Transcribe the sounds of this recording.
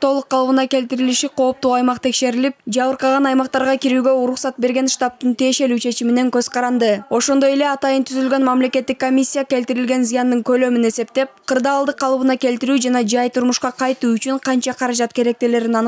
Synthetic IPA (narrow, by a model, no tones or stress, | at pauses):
t̪ʰo̞lˠuqʰːɑlˠβɯnɑkʲe̞lt̪iɾiliʃiqʰo̞ːp̚t̪uɑjmɑqt̪ʰe̞kʃe̞ɾilip̚d͡ʒɑβɯɾqɑʁɑnɑjmɑq̚t̪ɑɾʁɑkʲiɾyːɡø̞uɾuχsɑt̪̚be̞ɾɡʲe̞nʃt̪ɑp̚t̪ɯnt̪ije̞ʃe̞lyːt͡ʃʰe̞t͡ʃimine̞ŋkøzqʰɑɾɑnd̪ɯo̞ʃo̞nd̪o̞je̞le̞ɑt̪ɑjɯnt̪ʰyzylɡø̞nmɑmle̞kʲe̞t̪ːikːo̞mʲisʲːijakʲe̞lt̪iɾilɡʲe̞nzijɑnd̪ɯŋkø̞lø̞myne̞se̞p̚t̪e̞pqʰɯɾd̪ɑːlˠd̪ɯqʰːɑlˠβɯnɑkʲe̞lt̪iɾyːd͡ʒɑnɑd͡ʒɑjt̪ʰuɾmuʃqɑqʰɑjt̪uːyt͡ʃyɴqʰɑnt͡ʃɑqʰɑɾɑd͡ʒɑt̪kʲe̞ɾe̞k̚t̪ele̞ɾinɑn